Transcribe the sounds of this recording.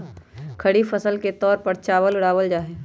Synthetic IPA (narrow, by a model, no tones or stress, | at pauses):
kʰɐɽifəsəlket̪ɔːɾpəɾt͡ʃaːwəlʊɽaːʋəld͡ʒaːɦɛː